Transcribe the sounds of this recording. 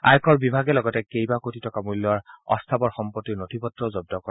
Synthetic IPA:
a̰jkʰɔɹbibʱaɡɛlɔɡɔtɛkejbakotitɔkamulːɔɹɔ̰st̪ʰabɔɹxɔmpɔtːiɹnotʰipɔtɹɔzɔb̚dɔkɔɛ

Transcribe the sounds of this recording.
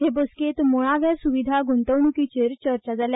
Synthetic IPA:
ɦebosket̪moɭ̃aʋjasuʋid̪ʱaɡʱuɳt̪əʋɳukit͡ɕeɾt͡ɕəɾt͡ɕad͡zalja

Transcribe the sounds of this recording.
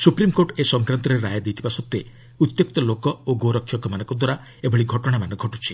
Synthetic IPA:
supɾimkoʈesɔŋkɾant̪ɔɾeɾajd̪et̪ʰibasɔt̪ːe | ut̪jok̚t̪ɔlokɔoɡoɾɔkʰːjɔkɔmanɔ̃ŋkɔd̪waɾa | ebɔɭiɡʱɔʈɔɽ̃amanɔɡʱɔʈut͡ʃʰi

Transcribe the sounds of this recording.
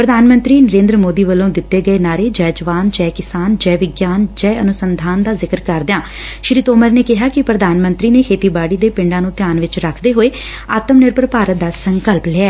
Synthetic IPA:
pɾəd̪ʱaːnmə̃nt̪ɾiːnəɾẽːnd̪ɾəmoːd̪iːʋəlːõːd̪ɪt̪ːeːɡəeːnaːɾeːd͡ʒɛːd͡ʒəʋaːnd͡ʒɛːkɪsaːnd͡ʒɛːʋɪɡjaːnd͡ʒɛːənʊsənd̪ʱaːnd̪aːzɪkəɾkəɾd̪ɪãː | ʃɾiːt̪oːməɾneːkɪɦaːkɪpɾəd̪ʱaːnmə̃nt̪ɾiːneːkʰeːt̪iːbaːɽiːd̪eːpɪ̃ɳɖãːnũːt̪ɪjaːnʋɪt͡ʃɾəkʰd̪eːɦoːeː | aːt̪əmnɪɾpəɾpaːɾət̪̚d̪aːsəŋkəlplɛɛː

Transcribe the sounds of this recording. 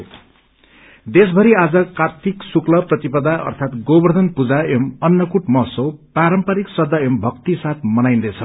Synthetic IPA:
d̪esbʱʌɾiad͡zʌkat̪iksuklʌprʌt̪ipʌd̪aʔʌ̰rt̪ʰat̪ɡobʌrd̪ʱʌnpud͡zaemʌnːʌkuʈmʌɦsopaɾʌmpaɾiksʌd̪ʱːʌembʱʌkt̪isat̪̚ʰmʌnajnd̪ʌjt͡sʰʌ

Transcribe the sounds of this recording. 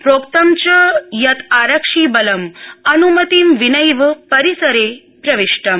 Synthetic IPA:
pɾokt̪ɐmt͡ɕɐjɐt̪aɾɐkʂiːbɐlɐmɐnumɐt̪iːmʋinəjʋpɐɾisɐɾe | pɾɐʋiʂʈɐm

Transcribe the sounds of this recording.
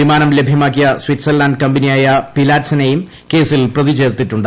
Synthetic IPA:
imaːnɐmle̞bʱjɐmaːk̬ːijɐswitsɐrlaːnkɐmbɐnijaːjɐpilaːtsɐnejum | ke̞ːsilprɐðit͡ɕe̞ːrt̪ːitːuɳɖɨ

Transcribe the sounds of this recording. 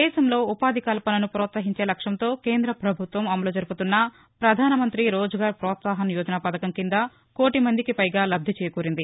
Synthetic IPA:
d̪ɛːʃɐmlo̞ːupaːd̪ʱikaːlɐpɐnɐnupɾɔːt̪sɐɦiɲt͡ʃe̞ːlɐkʂɐmt̪o̞ːke̞ːnd̪ɾɐpɾɐbʱut̪ʋɐmɐmɐloːd͡ʒɐɾuput̪unːɐ | pɾɐd̪ʱaːnɐmɐnt̪ɾiɾoːd͡ʒɐɡaːɾpɾɔːt̪saːɦɐnijɔːd͡ʒɐnapɐd̪ɐkɐmkind̪ɐ | koːʈimɐnd̪ikipɐjɡaːlɐb̚d̪ʱit͡ʃɛːjɐkuːɾind̪i

